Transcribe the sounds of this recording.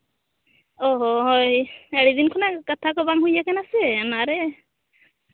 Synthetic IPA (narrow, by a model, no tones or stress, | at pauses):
ɔɦɔɦɔjɛɽid̪inkʰɔnakat̪ʰakɔbamɦujakɛnasɛamaɾɛ